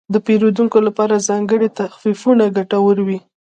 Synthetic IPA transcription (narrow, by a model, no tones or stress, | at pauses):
d̪əpeɾod̪uŋkolapɑɾazɑŋɡəɽet̪axfifunaɡaʈawəɾwi